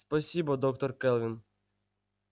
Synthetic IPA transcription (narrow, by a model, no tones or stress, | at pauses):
spɐsʲibɔd̪ɔk̚t̪ɔrkɛlˠʋʲin